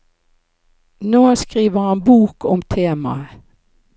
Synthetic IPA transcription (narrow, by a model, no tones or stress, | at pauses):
noːskʁiːʋəhɑnbuːkʰʊmt̪ʰeːmɑ̰ə